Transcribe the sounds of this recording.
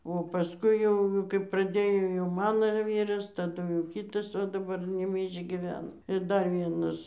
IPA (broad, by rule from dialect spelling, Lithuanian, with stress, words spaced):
oː pɐsˈkʊɪ jɛʊ kɐɪp prɐˈdʲeːjoː jɛʊ ˈmɑːnoː ɪr ˈʋʲiːrɐs tɐˈdʊ jɛʊ ˈkʲiːtɐs oː dɐˈbɐr nʲɛbʲɛɪʒʲɡʲiːˈʋʲæːnɐ ɪr ˈdɐr ˈʋʲiɛnɐs